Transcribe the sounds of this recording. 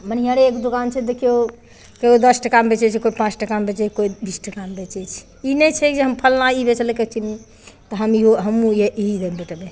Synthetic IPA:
mən̤ijaɽeekd̪ukant͡ʃʰɛd̪ekʰijo | keod̪əsʈəkambet͡ʃɛt͡ʃʰikoipãt͡ʃʈəkambet͡ʃekoibisʈʰəkambet͡ʃɛt͡ʃʰ | inɛt͡ʃʰɛkd͡ʒeɦəmpʰəlnaibet͡ʃleket͡ʃʰini | t̪əɦəmiɦoɦəmũjeʔiɦid̪embeʈəbe

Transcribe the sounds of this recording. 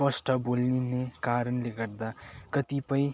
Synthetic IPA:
pʌsʈʰʌbolninekaɾʌnleɡʌɾd̪akʌt̪ipʌj̃

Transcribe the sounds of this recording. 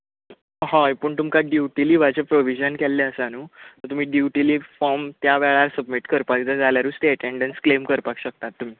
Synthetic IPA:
ɦãjpəːɳt̪umkaɖjuʈiliːʋat͡ɕepɾoʋid͡ʑənkɛlːeəsanuːt̪ət̪um̤iːɖjuʈiliːfɔɾmt̪jaʋɛɭaɾsəbmiʈkəɾpakd͡zəd͡zaljaɾuːsʈ̪eəʈeɳɖənsklemkəɾpakɕək̚t̪at̪ːum̤iː

